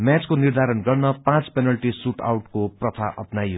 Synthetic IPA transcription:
mjat͡skonird̪ʱaɾʌnɡʌrnʌpãt͡spenʌlʈisuʈa̰wʈkoprʌt̪ʰaʔʌ̰pnajɦo

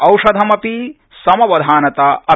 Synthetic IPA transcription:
ɐwʂɐd̪ʱɐmɐpi | sɐmɐʋɐd̪ʱaːnɐt̪ɐɐ

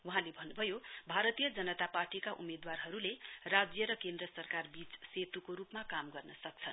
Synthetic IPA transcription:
wuɦãlebʱʌnːubʱʌjobʱaɾʌt̪ijʌd͡zʌnʌt̪aparʈikaʔumed̪warɦʌɾulerad͡zjʌɾʌkend̪ɾʌsʌrkarbit͡sset̪ukoɾupmakamɡʌrnʌsʌk̚t͡sʰʌn

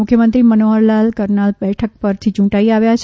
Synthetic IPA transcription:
mʊkʰjəmənt̪ɾimənoəɾlalkəɾnalbɛʈʰək̚pəɾt̪ʰit͡ʃũʈaiaʋjat͡ʃʰ

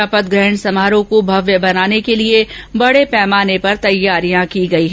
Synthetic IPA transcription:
apət̪̚ɡɾɛɦəɳsɐmaːɾõkobʱɐʋjəbɐnaːnekeliebɐɽepɛːmaːnepɐɾt̪ɐjːaːɾijãkiɡɐiɦɛ

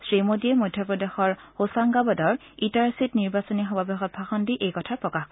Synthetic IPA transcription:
sɹimodiɛmɔjdʱjɔpɹɔdexɔɹhosaŋɡabɔdɔɹ | intaɹsitniɹbasɔnixɔbabexɔt̚bʱaxɔndiʔejkɔtʰapɹɔkaxk

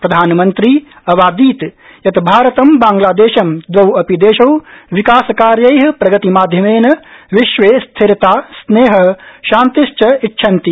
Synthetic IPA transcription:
pɾɐd̪ʱaːnɐmɐnt̪ɾi | ɐʋaːd̪iːt̪ | jɐt̪bʱaːɾɐt̪ɐmbaːŋɡlaːd̪eːʃɐmd̪ʋɐwɐpid̪eːʃɐwʋikaːsɐkaːɾjɐjɦɐpɾɐɡɐt̪imaːd̪ʱjɐmeːnɐʋiʃʋeːst̪ʰiɾt̪aːsneːɦɐ̆ʃaːnt̪iʃt͡ʃɐitːʃʰɐnt̪i

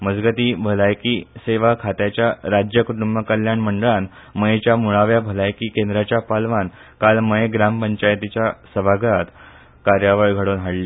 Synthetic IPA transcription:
məd͡zɡət̪iːbʱəlajkiseʋakʰat̪jat͡ɕjaɾad͡ʑjəkuʈumbəkəljaɳməɳɖəɭan | məjet͡ɕjamuɭaʋjabʱəlajkiːkend̪ɾat͡ɕjapalʋankalməjeɡɾampəɲt͡ɕajt̪it͡ɕjasəbʱaɡɾat̪ | kaɾjaʋajɡʱəɽoːnɦaɽli

